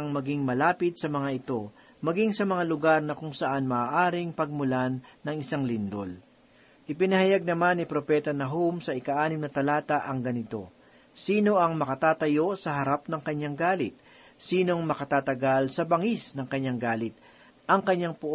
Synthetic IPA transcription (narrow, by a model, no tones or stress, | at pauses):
ɐŋmɐɡiŋmɐlaːpɪd̪̚sɐmɐŋaʔɪt̪o̞ | mɐɡiŋsɐmɐŋalʊɡaɾnɐkʊŋsɐʔanmɐːʔaːɾɪŋpɐɡ̚mʊlanːɐŋɪsaŋlɪnd̪ol | ʔɪpɪnɐhɐjaɡ̚nɐmanːɪpɾo̞pɛt̪ɐnɐɦomsɐʔɪkɐʔaːnɪmnɐt̪ɐlaːt̪ɐʔɐŋɡɐnɪt̪o̞̰ | siːno̞ʔɐŋmɐkɐt̪aːt̪ɐjo̞sɐɦɐɾapnɐŋkɐɲːaŋɡaːlɪt̪̚ | siːno̞ŋmɐkɐt̪aːt̪ɐɡalsɐbɐŋisnɐŋkɐɲːaŋɡaːlɪt̪̚ | ʔɐŋkɐɲːaŋpʊʔ